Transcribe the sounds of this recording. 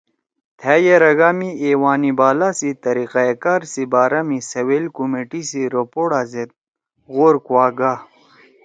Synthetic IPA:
t̪ʰaːjeɾɐɡaːmieːwaːnibaːlasit̪ɐɾiqaekaːɾsibaːɾɐmisɐwelkumeʈisiɾopoɽaːzet̪̚ | ɣoːɾkwaːɡa

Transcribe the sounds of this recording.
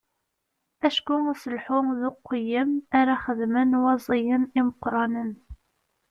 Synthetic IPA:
æʃkʊsəlħʊðʊqːəjːəmaɾæχəðmənwɑzˤijəniməqːɾˤɑnən

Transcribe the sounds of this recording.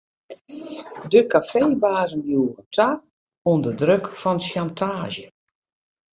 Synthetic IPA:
dəkafeːbaːzənjuːɣətʰak | undədrøkfɔnʃjantʰaːʒjə

